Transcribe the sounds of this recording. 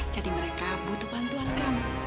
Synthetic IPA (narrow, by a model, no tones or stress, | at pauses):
d͡ʒadiməɾekabut̪ubant̪uankam